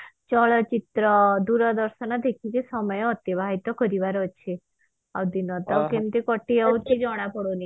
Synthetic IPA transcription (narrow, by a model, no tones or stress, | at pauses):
t͡ʃɔɭɔt͡ʃit̪ɾɔd̪uɾɔd̪ɔɾsɔnɔd̪ekʰit͡ʃesɔmɔjɔːt̪jibʱaɦit̪ɔkɔɾiʋaɾɔt͡ʃʰe | a̰wd̪inɔt̪awkemt̪ikɔʈːiawt̪id͡ʒɔɽ̃apɔɽoni